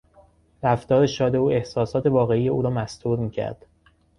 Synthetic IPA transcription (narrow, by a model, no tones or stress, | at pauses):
ɾæft̪ɒːɾe̞ʃɒːd̪e̞uːe̞hsɒːsɒːt̪ʰe̞vɒːɣe̞iːje̞uːɾɒːmæst̪uːɾmiːcʰæ̰ɾd̪̥